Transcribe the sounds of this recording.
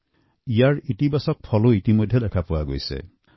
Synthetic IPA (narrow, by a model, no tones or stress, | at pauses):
ijaɹitibasɔk̚pʰɔloitimɔjd̪ʱjed̪ɛkʰapuwaɡo̰jsḛ